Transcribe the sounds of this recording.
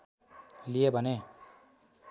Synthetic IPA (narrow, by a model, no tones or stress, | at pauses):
lijebʱʌne